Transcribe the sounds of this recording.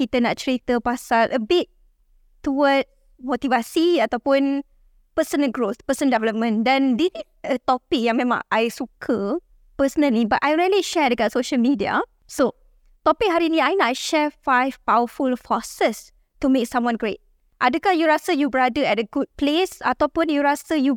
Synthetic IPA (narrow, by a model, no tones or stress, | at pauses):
kit̪ənaʔt͡ʃɹit̪əpasalʔəbit̚ | tːuwəd | mot̪ivasiat̪awpʊ̃n | pəsənəɡɹospəsə̃ndɛvɛləp̚mə̃ndɛ̃nditi | ət̪ɔpɪk̚jãŋmẽmã̰ŋʔajsukʰə | pəsənə̃libaʔajɹiəliʃɛdəɡatsoʃəlmidia̰ | so | t̪ɔpɪk̚ɦaɾinĩajnaajʃɛfajvpawəfulfɔsəs | tumek̚sãmwɔ̃nɡɹet̚ | ʔadəkahjuɹasəjubəɹadəɛt̚əɡud̚plesat̪awpũnjuɹasəju